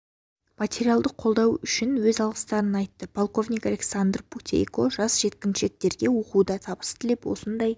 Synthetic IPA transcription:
mat̪ʲe̞ɾijalˠd̪əqʰo̞lˠd̪ɑwʏʃɪnwɵzɑlˠʁəst̪ɑɾənɑjt̪ːəpʰolˠqo̞vnʲijkalʲeksand̪rput̪ʲʰḛjko̞ʒɑsʒ̥e̞t̪̚kʲɪnʃek̚t̪e̞ɾɡʲe̞woqud̪ɑt̪ʰɑbə̥st̪ʰɪlepwo̞̰sənd̪ɑj

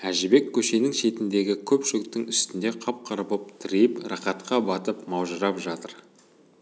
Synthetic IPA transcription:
æʒɪbe̞kʲʰːɵʃe̞nɪŋʃe̞t̪ɪnd̪e̞ɡʲɪkʲʰɵpʒɪɡt̪ːɪŋʏst̪ɪnd̪e̞qʰɑp̚qʰɑɾəpəp̚t̪ʰɪɾejɪprɑχɑt̪̚qɑbɑt̪əp̚mɑwʒəɾɑpʒɑt̪əɾ

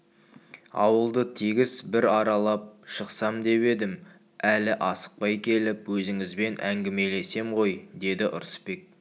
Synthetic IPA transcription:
ɑ̰wəlˠd̪ət̪ʰiɡʲɪsbɪɾɑɾɑlˠɑp̚ʃəqsɑmd̪e̞pe̞d̪ɪm | ælɪʔɑsə̥q̚pɑjkʲʰe̞lɪpwɵzɪŋɪzbe̞nʔæŋɡʲɪme̞le̞se̞mʁo̞jd̪e̞d̪ɪʔʊ̰ɾspe̞k̚

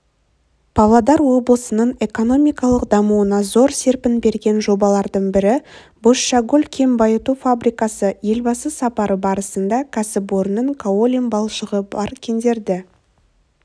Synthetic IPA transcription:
pʰɑvlˠɑd̪ɑɾwo̞blˠəsənəɴe̞ko̞no̞mijkɑlˠəqd̪ɑmuwənɑzo̞ɾse̞ɾpɪnbe̞ɾɡʲe̞nʒo̞bɑlˠɑɾd̪əɴbɪɾɪ | boʃːɑɡulʲkʲʰe̞mbɑjət̪ufabɾijkɑsəje̞lbɑsəsɑpɑɾəbɑɾəsənd̪ɑkʰasɪboɾnəŋkʰaolʲimbɑlˠʃəʁəbɑɾkʲʰe̞nd̪e̞ɾd̪ɪ

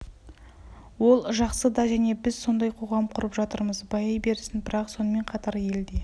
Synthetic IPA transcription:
wo̞lˠʒɑqsəd̪ɑʒæne̞bɪzso̞nd̪ɑjqʰo̞ʁɑmqʰʊɾəpʒɑt̪əɾməzbɑjɑjbe̞ɾsɪnbɪɾɑqso̞nəme̞ɴqʰɑt̪ɑɾje̞ld̪e̞

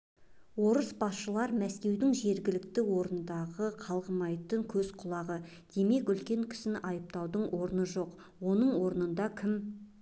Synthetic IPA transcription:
wo̞ɾəsbɑsʃəlˠɑɾmæskʲe̞wd̪ɪŋʒe̞ɾɡʲɪlɪk̚t̪ɪwo̞ɾənənd̪ɑʁəqʰɑlˠʁəmɑjt̪əŋkʲʰɵzqʰʊlˠɑʁə | d̪̥e̞me̞kʏlkʲe̞ŋkʲʰɪ̥sɪnʔɑjəp̚t̪ɑwd̪əɴʔo̞ɾənəʒo̞q | wo̞nəɴwo̞ɾənənd̪ɑkʲʰɪm

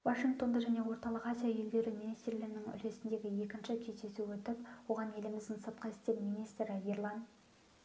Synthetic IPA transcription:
vaʃiŋɡ̚t̪o̞nd̪ɑʒæne̞wo̞ɾt̪ɑlˠəqɑzʲijaje̞ld̪e̞ɾɪminijst̪rlɪɡɪnɪŋʏ̰le̞sɪnd̪e̞ɡʲɪje̞kʲɪnʃɪkʲʰe̞t̪esuwɵt̪ɪpwo̞ʁɑne̞lɪmɪzd̪ɪnsɑt̪̚qɑɪst̪e̞mmijnijst̪ɾɪirlˠɑn

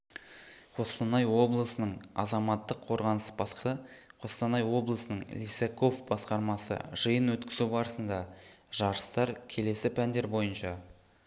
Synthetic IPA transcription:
qʰo̞st̪ɑnɑjwo̞blˠəsənəɴɑ̰zɑmɑt̪ːəqʰːo̞ɾʁɑnəsbɑəqʰo̞st̪ɑnɑjwo̞blˠəsənəɴlʲisekʰo̞fbɑsqɑɾmɑsə̰ʒ̥əjənwɵt̪kʲɪzubɑɾəsənd̪ɑʒ̥ɑɾəst̪ɑɾkʲʰe̞le̞sɪpʰænd̪e̞ɾbo̞jənʃɑ

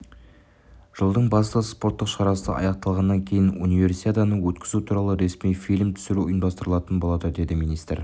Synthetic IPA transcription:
ʒ̥əlˠd̪əɴbɑst̪əspo̞ɾt̪ːəqʃɑɾɑsə̰ʔɑ̰jɑq̚t̪ɑlˠʁɑnːɑŋkʲʰe̞jɪnunijvʲe̞ɾsi̥t̪ʰʲet̪ɑnəwɵt̪kʲɪzut̪ʰuɾɑlˠəɾe̞smijfijlʲmt̪ʰʏ̥sɪɾuʊjəmd̪ɑst̪əɾəlˠɑt̪ənbo̞lˠɑd̪əd̪e̞d̪ɪmijnijst̪ɾ

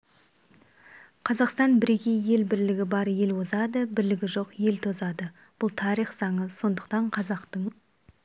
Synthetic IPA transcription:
qʰɑzɑqst̪ɑnbɪɾe̞kʲe̞jje̞lbɪɾlɪɡʲɪbɑɾje̞lwozɑd̪əbɪɾlɪɡʲɪʒo̞qje̞lt̪ʰo̞zɑd̪ə | b̥ʊlˠt̪ʰɑɾiχz̥ɑɴəso̞nd̪əqt̪ɑɴqʰɑzɑqt̪əɴ

